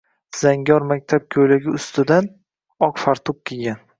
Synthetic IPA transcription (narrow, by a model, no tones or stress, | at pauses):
z̥aŋɡʲɒɾmakʲt̪ʰap̚kʲʰojlaɡʲɪʊst̪ʰɪd̪an | ɒqfaɾt̪ʰʊp̚kʲʰeɡʲan